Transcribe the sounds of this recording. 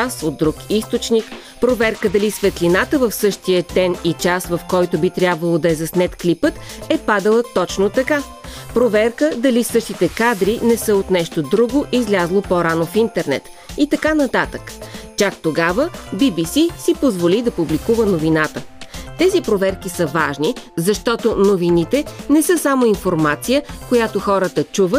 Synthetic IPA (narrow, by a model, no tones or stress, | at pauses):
asod̪̚d̪ːɾukist̪ot͡ʃnik | pɾovɛɾkəd̪ɐlisvɛt̪linat̪əvəfsɤʃt̪ijət̪ɛnit͡ʃasvɐfkɔjt̪obit̪ɾʲabvəlˠod̪ɐɛzɐsnɛt̪klipət̪ | ɛpad̪əlˠət̪ɔt͡ʃnot̪ɐka | pɾovɛɾkəd̪ɐlisɤʃt̪it̪ɛkad̪ɾinɛsɤot̪nɛʃt̪od̪ɾuɡoʔizlʲazlˠopoɾanofint̪ɛɾnɛ̰t̪ | it̪ɐkanɐt̪at̪əkt͡ʃak̚t̪oɡavəbibisisipozvolid̪ɐpublikuvənovinat̪ət̪ɛzipɾovɛɾkisəvaʒnizɐʃt̪ɔt̪onovinit̪ɛnɛsɤsamoinfoɾmat̪sijəkojat̪oxɔɾət̪ət͡ʃuvət̪̚